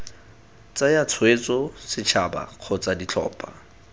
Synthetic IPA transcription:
t͡sajat͡sʰwet͡sʼɔsɪt͡ʃʰaba̰q͡χʰɔt͡sʼadit͡ɬʰɔ̰ːpʼa

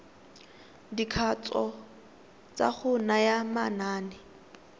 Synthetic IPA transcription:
dikʰat͡sɔ | t͡sʼa̰χʊnajamanaːnɛ

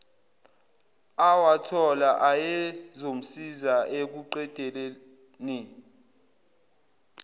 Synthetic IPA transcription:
awatʰɔlaʔajɛzom̩sizaʔek̬uǃɛd̥ʼʱɛlɛ | ni

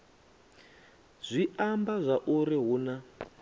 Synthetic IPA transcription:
z̥ʷiambazʷaʔuɾiɦuna

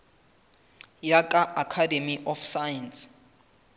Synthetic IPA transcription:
jakʼaʔakʰademiʔɔfsajans

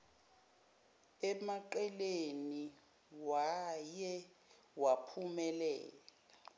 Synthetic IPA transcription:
ɛmaǃɛleni | wajɛ | wapʰumɛlɛːla

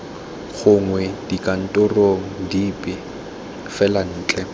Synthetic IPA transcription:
χʊŋwɛd̥ikʼan̩tʼʊroŋ̩dipɪ | fɛlan̩ːt͡ɬʼɛ

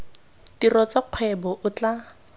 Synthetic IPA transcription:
tirɔt͡saq͡χʰwɛbɔʔʊt͡ɬa

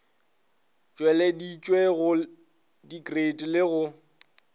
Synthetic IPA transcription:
t͡ʃʼwɛlɛdit͡ʃʼweɣʊ | dikʼredʼlɪɣʊ

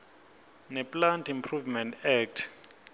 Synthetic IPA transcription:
nɛpʼlantʰimpʰruvmɛntɛk̚tʰ

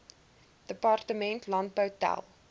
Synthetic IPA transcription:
d̥əpɑrtəmɛ̃ntʰlɑ̃npətæ̰lˠ

